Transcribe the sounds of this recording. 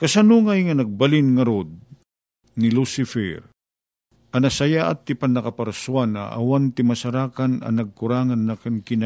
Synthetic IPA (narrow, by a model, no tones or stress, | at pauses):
kɐsanuŋajŋɐnɐɡ̚balɪnŋɐɾod̪̚ | nɪlusɪfɛɾ | ʔɐnɐsajaʔa̰t̪ːɪpanːɐkapaɾsuana̰ʔa̰want̪ɪmɐsaɾaːkanɐ̰nɐɡ̚kʊɾaːŋanːakɐnkɪna